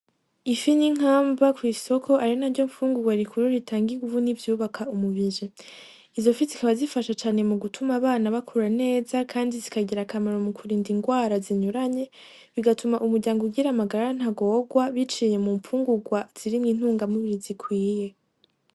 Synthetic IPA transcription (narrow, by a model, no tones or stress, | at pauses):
ifiɲiŋ̥aːmbakwiːso̞kʰo̞ʔaɾinaɾɟo̞ɱfuːŋɡuɡwaɾikʰuɾuɾitʰaːŋɡiɡuvunivjuːβakʰaumuβiʒe | izo̞fizikaβazifaʃat͡ʃaːne̞muɡutʰumaβaːnaβakʰuɾane̞ːzakʰaːndizikaɟiɾakamaɾo̞mukʰuɾiːndiŋɡwaːɾaziɲuɾaɲe̞ | βiɡatumaʔumuɾɟaːŋɡoɡiɾamaɡaɾaan̥haɡo̞ːɡwaβit͡ʃije̞muɱfuːŋɡuɡwaz̥iɾimŋiːn̥huːŋɡamuβiɾizikʰwiːje̞